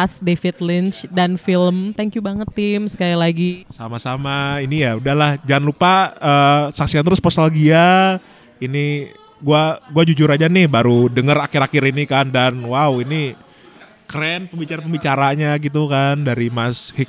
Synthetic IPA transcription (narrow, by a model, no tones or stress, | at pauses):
asdefit̪lint͡ʃdanfilmt̪aŋkjubaŋət̪ːɪmsə̥kailaɡisamasamainijaudahlahd͡ʒanlupaəːsaksiant̪əɾʊsposalɡia | ini | ɡuaɡuad͡ʒud͡ʒʊɾad͡ʒanɪhbaɾudəŋəɾakɪɾakɪɾinikandanwawini | kɾɛnpəmbit͡ʃaɾapəmbit͡ʃaɾaɲaɡit̪̬ukandaɾimashik̚